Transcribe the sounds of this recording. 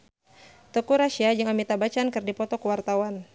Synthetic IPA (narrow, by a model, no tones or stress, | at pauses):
t̪ɔkuɾaʃiad͡ʒɨŋamit̪abat͡ʃankɨrdipɔt̪ɔkəwart̪awan